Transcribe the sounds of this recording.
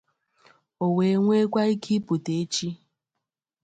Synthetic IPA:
o˨we˨˦ŋʷe˦kʷa˦i˦kʰi˦pu˨te˨e˦t͡ʃi˦

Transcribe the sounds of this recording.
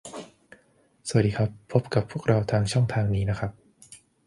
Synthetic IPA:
sa˨˩diː˧kʰa˦˥pʰːo˦˥p̚ka˨˩pʰːu˥˩ək̚ɾa˧wt̪ʰaː˧ŋt͡ɕʰɔ˥˩ŋt̪ʰaː˧ŋniː˦˥na˦˥kʰɾa˦˥p̚

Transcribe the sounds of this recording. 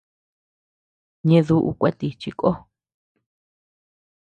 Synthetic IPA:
ɲẽ˧ðu˦ʔṵ˧kʷe˦t̪i˧t͡ʃi˧kʼo˦

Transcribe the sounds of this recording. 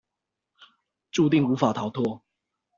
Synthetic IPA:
ʈ͡ʂu˥˧t̪̬i˥˨ŋu˧˦˥fa˨˩t̪ʰa˨˦ʊt̪ʰwɔ˥˧

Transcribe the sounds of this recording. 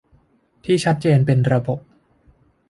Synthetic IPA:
t̪ʰiː˥˩t͡ɕʰa˦˥t̪̚t͡ɕeː˧npe˧nɾa˧bo˨˩p̚

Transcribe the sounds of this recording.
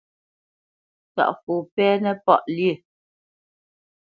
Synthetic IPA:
ta̰˨ʔfu˨pɛː˦nɛ˦pɔ˦˨ʔljə˦˨

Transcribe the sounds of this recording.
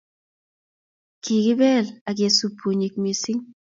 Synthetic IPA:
ki˨ɡɪ˦bɛ˦˨la˨ɡ̬je˨su˨pʰu˨ɲi˨k̚mi˨si˦ŋ

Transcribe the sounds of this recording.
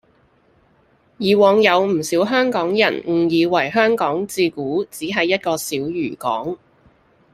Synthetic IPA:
jiː˨wɔː˨˧ŋjɐ˨˧wm̩˨˩siː˨˥wɦœː˥ŋkɔː˨˥ŋjɐ̰˨˩nŋ̩˨˩jiː˨˧wɐ˨˩jɦœː˥ŋkɔː˨˥ŋt͡siː˧kuː˨˥t͡siː˨˥ɦɐ˨jːɐ˥t̚kɔː˧siː˨˥wjyː˨˩kɔ̰ː˨˥ŋ

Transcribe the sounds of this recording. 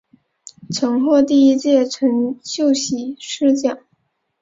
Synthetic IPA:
ʈ͡ʂʰɤ˧˥ŋxwɔ˥˧t̪i˥˧i˥t͡ɕjɛ˥˩ʈ͡ʂʰɤ˧˥ŋɕjo˥˩ʊɕi˨˩ʂɻ̩˥˧t͡ɕjɑ˨˩˦ŋ

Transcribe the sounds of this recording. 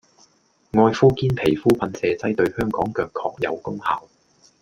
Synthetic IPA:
ŋɔː˧jfuː˥kiː˥npʰe˨˩jfuː˥pʰɐ˨˧nsɛː˨t͡sɐ˥jt̪ɵ˧ɥhœː˥ŋkɔː˨˥ŋkœː˧kʰɔː˧k̚jɐ̰˨˧wkʊ˥ŋha̰ː˨w

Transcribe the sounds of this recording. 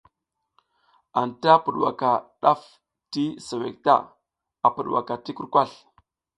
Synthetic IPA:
a˨nta˦pu˨ɗwa̰˨ka˨ɗa˦f | ti˦sa˨wḛ˨k̚ta̰˦˨ | a˨pə˨ɗwa̰˨ka˨ti˦ku˦ɾkʷa˦˨ɬ

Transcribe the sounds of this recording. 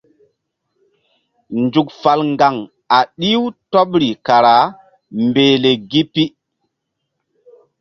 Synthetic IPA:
nd͡ʒu˨k̚fa˨lŋɡa˨ŋ | a˨ɗi˦wtɔ˦ɓɾi˨ka˨ɾa˨˦ | mbeː˨le˨ɡi˦pi˦

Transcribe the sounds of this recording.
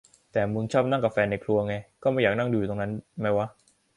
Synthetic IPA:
t̪ɛː˨˩mu˧nt͡ɕʰɔː˥˩p̚na˥˩ka˧˩fɛː˧nːa˧jkʰlu˧ɐ˧ŋa˧jkɔː˥˩ma˥˩jaː˨˩k̚na˥˩ŋduː˧˨u˨˩t̪o˧na˦˥nma˦˥jwa˦˥ʔ

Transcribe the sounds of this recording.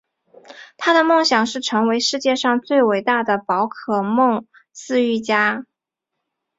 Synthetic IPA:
t̪ʰa˥d̪ə˨mɤ˥˩ŋɕjɑ˨˩ŋʂɻ̩˥˩ʈ͡ʂʰɤ˧˥ŋwe˧˥ɪʂɻ̩˥˧t͡ɕjɛ˥˧ʂɑ˥˧ŋt͡swe˥˩ɪwe˨˩ɪt̪a˥˩d̪ə˩pɑ˧˥ʊkʰɤ˨˩mɤ˥˩ŋ | sɹ̩˥˧y˥˩t͡ɕja˥

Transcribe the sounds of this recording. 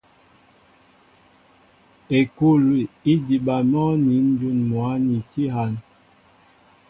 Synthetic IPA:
e˨ku˦˨lwi˨i˦di˨ɓa˨mɔ˦ni˨˦n˦d͡ʒu˦nmwa˨˦ni˨ti˦ɦa˨n

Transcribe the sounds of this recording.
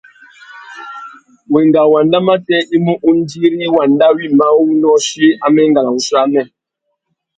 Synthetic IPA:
we˨ŋɡa˨wa˨nda˦ma˦tɛ˦ʔi˦mũ˦ʔu˦n˦di˦ɾi˦wa˨nda˦wi˦˨ma˦wi˦nɔ˦ʃi˦a˦mɛ˦ŋɡa˨la˨u˨˦sa˦mɛ˦˨

